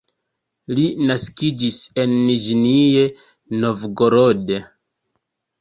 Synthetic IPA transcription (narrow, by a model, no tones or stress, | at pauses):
linaskid͡ʒise̞nːiʒnie | no̞vɡoɾode